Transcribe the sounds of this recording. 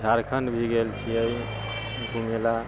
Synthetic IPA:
d͡ʒʱaɾkʰəɳɖbʱiɡelt͡ʃʰiəj | ɡʱumela

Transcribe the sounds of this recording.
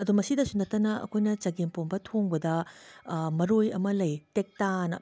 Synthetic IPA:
ɐdumɐsidɐsunɐtːɐnɐɐ̰kʰojnɐt͡ʃɐɡempombɐtʰoŋbɐdɐ | mɐɾojɐ̰mɐlɐjtek̚tanɐ̰

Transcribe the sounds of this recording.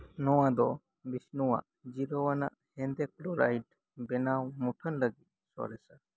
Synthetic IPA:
nɔʋãd̪ɔ | biʃnuʋã̰ | d͡ʒiɾoʋana̰ʔhɛ̃nd̪ekloɾajʈ | bɛnawmuʈʰənləɡi | sɔ̰ɾɛsə

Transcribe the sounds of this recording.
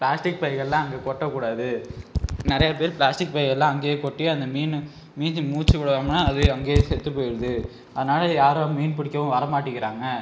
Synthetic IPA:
pɭaːsʈɪk̚pɐjɣɐɭlãːɐŋɡeːkɔʈːɐkːuːɽaːðɯ | nɪɾɐjɐpeːɾpɭaːsʈɪk̚pɐjɣɐlːãːɐŋɡekɔʈːiɐnd̪ɐmiːnɯ | miːnd͡ʒɯmuːt͡ʃːɯkːʊɽɐʋaːŋɐnaːɐðɯɐŋɡeːsɛt̪ːɯpːoːjɪɾɐðɯ | ɐðɐnaːlɐjaːɾoːmiːnpɪɽɪkːɐʋɐ̃ʋɐɾɐmaːʈːɯkːɪɾaːŋɡɐ

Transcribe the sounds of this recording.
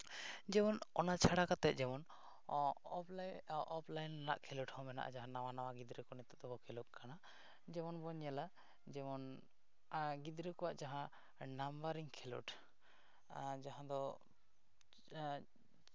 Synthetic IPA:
d͡ʒɛmɔnɔnat͡ʃʰaɽakat̪ɛt̪̚d͡ʒɛmɔn | ʔɔpʰlajnana̰ʔkʰɛluʈhɔ̃mɛna̰ʔa̰d͡ʒaɦãnawanawaɡid̪ɾəkɔnit̪ut̪̚d̪ɔkɔkʰɛluk̚kana | d͡ʒɛmɔnbɔɲala | d͡ʒɛmɔn | ɡid̪ɾəkɔwaʔd͡ʒaɦã | nambaɾiŋkʰɛlṵʈ | d͡ʒaɦãd̪ɔ

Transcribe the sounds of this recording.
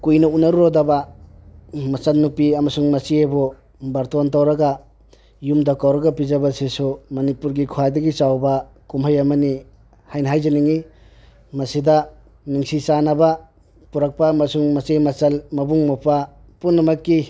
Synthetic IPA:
kujnɐunaɾuɾodaba | mɐt͡ʃɐlnuk̚piɐmɐsuŋmɐsiebɔ | bɐɾtontawɾaɡa | jumdakawɾɐɡapizabasesumɐnipuɾɡikʰuwadɐɡit͡ʃawba | kumɦajamɐni | hajnɦajzaniŋi | mɐsida | niŋsisanaba | puɾak̚paːmɐsuŋmɐsemɐt͡ʃɐlmɐbuŋmɔpʰa | punːɐmɐkːi

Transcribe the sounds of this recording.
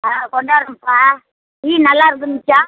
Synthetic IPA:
akɔɳɖaːɾɯmpa | iːnɐlːaːɪɾɯk̬ːɯnmɪt͡ʃːa

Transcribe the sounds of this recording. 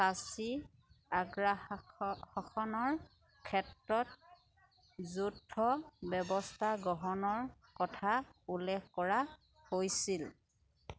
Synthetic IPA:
sasi | aɡɹa | hɔxʰɔnɔɹ | kʰɛtɹɔt̚ | zudʱɔbɛbɔstʰaɡɔɦɔnɔɹkɔtʰaulːɛkkɔɹa | hojsil

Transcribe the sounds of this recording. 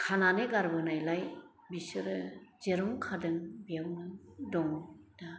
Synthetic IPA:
kʰananɯɡaɾbɯnajlaj | bisɯɾɯzeɾɔŋkʰadɯŋbijamnɯdɔŋda

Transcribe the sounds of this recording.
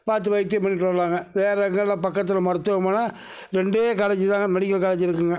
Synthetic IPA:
paːɾt̪̬ːɯʋɐɪt̪ːjɐpɐnːiʈːʋɐɾlaːŋɡɐʋeːɾɐŋɡɐɭlãːpɐkːɐt̪ːɪlɐmɐɾɯt̪ːɯʋɐmaːnɐ | ɾɛɳɖeːkɐɽɐt͡ʃːɯt̪aːŋɡɐmɛɽɪkːɐɭkɐɽɐɲt͡ʃːɪɾɯkːɯŋɡɐ

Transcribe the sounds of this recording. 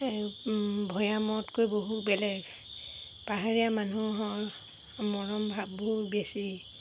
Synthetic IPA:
bʱɔjamɔtkojboɦutbɛlɛɡ | paɦaɹijamanuɦɔɹ | mɔɹɔmbʱabboɦutbesi

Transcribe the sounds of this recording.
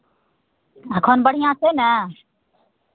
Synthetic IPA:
əkʰoːnbəɽ̤ijãːsʰeːnə

